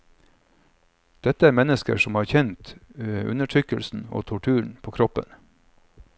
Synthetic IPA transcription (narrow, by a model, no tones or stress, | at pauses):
d̪̥ɛt̪əæːɾmɛnəskə̰ʂɔmhɑːɾçɛnt̪ʉ̰nəʈʰɾʏkəlsn̩o̰ːt̪ʰʊʈʰʉːɳ̩pʰoːkʰɾɔpə̰n